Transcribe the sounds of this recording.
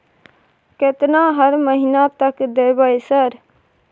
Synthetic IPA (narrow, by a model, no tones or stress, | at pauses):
ket̪naɦəɾməɦinat̪əkd̪eːbaesəɾ